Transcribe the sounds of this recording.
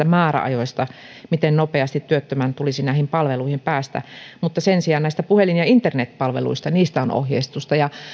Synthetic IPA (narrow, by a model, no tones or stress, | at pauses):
æmɑːrɑ̰ɑ̰joist̪ɑmit̪ennopeɑst̪it̪tyøt̪ːømænt̪ulisinæˑihimpɑlʋeluihimpæːst̪æ̰mut̪ːɑsensiɑːnnæist̪æpuhelinjɑint̪ernet̪pɑlʋḛlṵist̪ɑniːst̪æono̰hjeist̪ust̪ɑjɑ